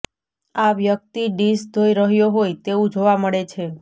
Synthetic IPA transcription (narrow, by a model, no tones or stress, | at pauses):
aʋjək̚t̪iɖisd̪ʱoiɾəɦjoɦojt̪eũd͡ʒoʋaməɭet͡ʃʰe